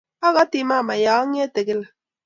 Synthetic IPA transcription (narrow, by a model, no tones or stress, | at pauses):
aɣat̪imamajaŋet̪ekela